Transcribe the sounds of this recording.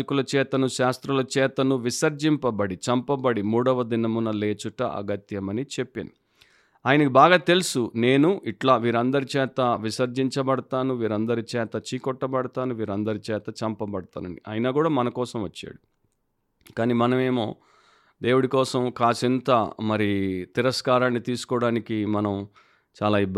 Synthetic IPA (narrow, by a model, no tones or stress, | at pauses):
ikulɐt͡ʃɛːt̪ɐnuʃaːst̪ɾulɐt͡ʃɛːt̪ɐnuʋisɐɾd͡ʒimpɐbɐɽit͡ʃɐmpɐbɐɽimuːɽɐʋɐd̪inɐmunɐle̞ːt͡ʃuʈɐ̰ʔɐ̰ɡɐt̪jɐmɐnit͡ʃe̞pːḭnu | aːjɐnɐkibaːɡaːt̪e̞lusune̞ːnuʔiʈlaːʋiːɾɐnd̪ɐɾit͡ʃɛːt̪ɐʋisɐɾd͡ʒiɲt͡ʃɐbɐɽɐt̪aːnuʋiːɾɐnd̪ɐɾit͡ʃɛːt̪ɐt͡ʃiːkɔʈːɐbɐɽɐt̪aːnuʋiːɾɐnd̪ɐɾit͡ʃɛːt̪ɐt͡ʃɐmpɐbɐɽɐt̪a̰ːnɐɳɖiʔɐjɐnaːkuːɽaːmɐnɐkɔːsɐmʋɐt͡ʃːa̰ːɽu | kaːniːmɐnɐme̞ːmo̞ː | d̪e̞ːwuɽikɔːsɐmkaːsint̪ɐmɐɾit̪iɾɐskaːɾaːnːit̪iːsu̥kɔːɽaːnikimɐnɐm | t͡ʃaːlaːib